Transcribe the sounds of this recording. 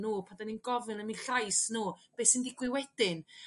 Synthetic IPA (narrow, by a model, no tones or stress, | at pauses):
nuːpʰandaninɡɔvɨnəminɬajsnuːb̥eːsɪndiɡwɪwɛd̥ɪn